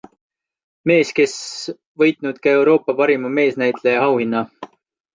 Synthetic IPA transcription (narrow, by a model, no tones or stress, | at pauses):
me̞ːske̞s | vɤjt̪ˑnud̪̥̚kɑe̞wɾo̞ːpːˑɑpɑɾimɑme̞ːsnæjt̪ˑle̞jɑɦɑwhinːɑ